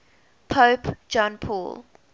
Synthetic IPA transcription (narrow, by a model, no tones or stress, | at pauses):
pʰəʊpd͡ʒɔ̃npʰɔ̰ːl